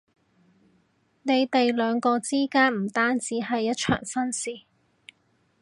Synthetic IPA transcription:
ne˨˧jt̪e˨jlœː˨˧ŋkɔː˧t͡siː˥kaː˥nm̩˨˩t̪aː˥nt͡siː˨˥ɦɐ˨jːɐ˥t̚t͡ʃʰœ̰ː˨˩ŋsɐ˥nsiː˨

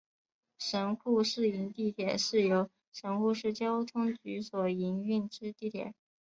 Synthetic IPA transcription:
ʂə˧˥nxu˥˧ʂɻ̩˥˩i˧˥nt̪i˥˩t̪ʰjɛ˨˩ʂɻ̩˥˩jo˧˥ʊ | ʂə˧˥nxu˥˧ʂɻ̩˥˩t͡ɕjɑ˥ʊt̪ʰʊ˥ŋt͡ɕy˧˥swɔ˨˩i˧˥ny˥˩nʈ͡ʂɻ̩˥t̪i˥˩t̪ʰjɛ̰˨˩˦

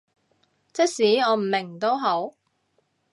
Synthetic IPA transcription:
t͡sɪ˥k̚siː˨˥ɔː˨˧m̩˨˩mɪ˨˩ŋt̪o˥wɦo˨˥w

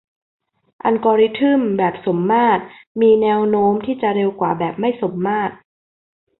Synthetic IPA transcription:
ʔa˧nkɔː˧ɾi˦˥t̪ʰɯ˥˩mbɛː˨˩p̚so˩˦mːaː˥˩t̪̚miː˧nɛː˧˥wnoː˦˥mt̪ʰiː˥˩t͡ɕa˨˩ɾe˧wkwaː˨˩bɛː˨˩p̚ma˥˩jso˩˦mːaː˥˩t̪̚

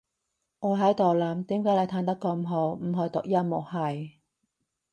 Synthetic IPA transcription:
ŋɔː˨˧˥ɦɐ˨˥jt̪ɔː˨wlɐː˨˩mt̪iː˨˥mkaː˨˥jljt̪ʰaː˧˥nt̪ɐ˥kːɔ˧m̩˨ɦo˨˧wm̩˨˩ɦɵ˨˧t̪ʊ̰˨k̚jɐ˥nmo˨˩hɐ˨j

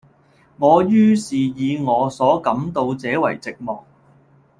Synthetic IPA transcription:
ŋɔː˨˧jyː˥siː˨jiː˨˧ŋɔː˨˧sɔː˨˥kɐ˨˥mt̪o˧wt͡sɛː˨˥wɐ˨˩jt͡sɪ˨k̚mɔ̰ː˨˩k̚

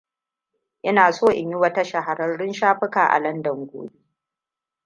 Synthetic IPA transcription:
ʔɐ˦naː˨soː˦˨ʔɪ˨ɲjɪ˦wɐ˦ta˦ʃa˨ɦa˨ɾɐ˦nɽɪ˦nʃaː˦ɸɪ˦kaː˨ʔa̰˨lɐ˦ndɐ˨ŋɡʷo̰ː˦bi˦ʔʔ

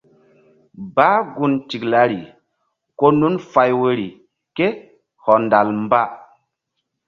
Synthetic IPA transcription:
baː˦ɡu˦nti˨kla˨˦ɾi˨ | ko˦nu˦nfa˨jwe˦ɾi˨ | ke˦ | hɔ˨nda˨lm˦ba˦

